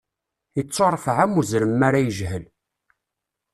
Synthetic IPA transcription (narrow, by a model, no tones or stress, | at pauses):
it͡sːoɾˤfʕæmuzɾəmːaɾæjəʒhəl